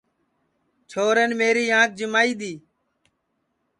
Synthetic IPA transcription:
t͡ʃʰoːɾeːnmeːɾiːãːk̚d͡ʒɪmaːiːɗ̪iː

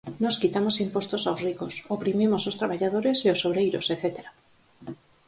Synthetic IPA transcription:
nɔskit̪amosimpost̪osawsrikosopɾimimosost̪ɾaβ̞aʎaðoɾesiosːoβɾejɾoseθet̪eɾa

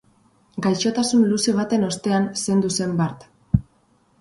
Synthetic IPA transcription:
ɡajʃo̞t̪asunluseβ̞at̪e̞no̞st̪e̞anse̞nd̪use̞mbaɾt̪

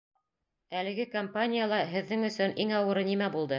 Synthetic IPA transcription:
ælɘ̆ɡɘkɐmpanʲɪjalˠɑɦɘ̆ðːɘŋɵ̆sɵnʔiŋɑwɤ̆ɾɤnimæbulˠd̪ɤ

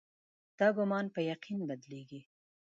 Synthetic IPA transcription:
d̪̥ɑɡʊmɑnpəjaqinbad̪leɡi

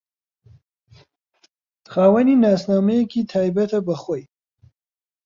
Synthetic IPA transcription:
xɑːwaninɑsnɑmekit̪ʰɑjbat̪abaxwoj

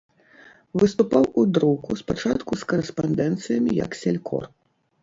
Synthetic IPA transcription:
vɨst̪upawud̪ɾɔwkuspat͡ʂat̪kuskɐɾɨspand̪ɛnt̪sɨjɐmʲijɐ̰ksʲɛlʲkɔ̰r

